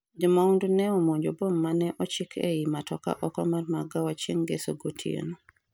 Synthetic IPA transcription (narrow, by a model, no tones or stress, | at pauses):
d͡ʒɔmaundunɛɔmoɲd͡ʒobomːanɛʔɔt͡ʃikʰḛjimatɔka̰ʔɔkɔmarmaɡawat͡ʃeŋɡeso̰ɡotʰiḛno